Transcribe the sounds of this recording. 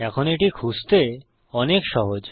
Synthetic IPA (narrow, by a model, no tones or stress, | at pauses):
ɛkʰoneʈikʰust̪e | ɔnekʃɔɦod͡ʑ